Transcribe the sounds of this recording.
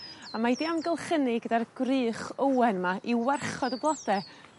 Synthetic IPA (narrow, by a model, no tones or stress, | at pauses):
amadiamɡəlˠχənɪɡədarɡ̥rɨːχəwɛnmaʔiwɛrχɔdəblˠɔd̥ɛ